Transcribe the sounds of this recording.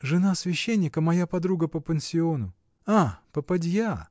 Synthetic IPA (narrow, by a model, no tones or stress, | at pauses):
ʐɨnasvʲɪɕːenʲːɪkəmɐjapɐd̪ɾuɡəpəpənʲsʲɪo̞nʊ | apəpɐdʲja